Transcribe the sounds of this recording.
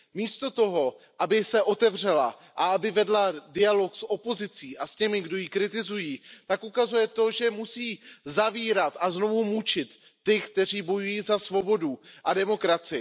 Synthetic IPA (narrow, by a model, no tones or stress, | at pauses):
miːst̪o̞t̪o̞ɦo̞ | ʔabɪsɛʔot̪ɛvr̝ɛla̰ʔaabɪvɛdladɪalo̞ksʔo̞po̞zɪt͡siːʔascɛmɪɡdo̞jiːkɾɪt̪ɪzujiːt̪akʔukazujɛt̪o̞ʒɛmusiːzaviːɾat̪ʔaznovumut͡ʃɪt̪ːɪkt̪ɛr̝iːbo̞jujiːzasvo̞bo̞duʔadɛmo̞kɾat͡sɪɪ